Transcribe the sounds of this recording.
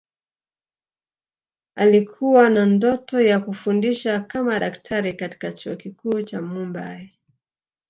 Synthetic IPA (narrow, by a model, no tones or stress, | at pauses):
alikʰuwanandɔtɔjakufundiʃakamaɗaktʰaɾikati̥kat͡ʃuɔkikuːt͡ʃamumba̰i